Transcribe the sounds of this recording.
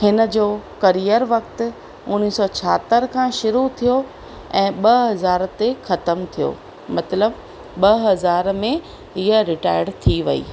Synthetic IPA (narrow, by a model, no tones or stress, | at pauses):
hɪnə̆d͡ʑoːkɐɾijəɾʋɐkt̪ɪ̆ | ʊniːsɔt͡ɕʰaːt̪əɾkʰãʃʊɾut̪ʰijo | ɛ̃ːɓɐɦɐzaːɾt̪exɐt̪əmt̪ʰijo̰ː | mɐt̪ləb | ɓɐɦɐzaːɾmẽ | iəɾɪʈaːɪɽt̪ʰiʋɐ̰ḭː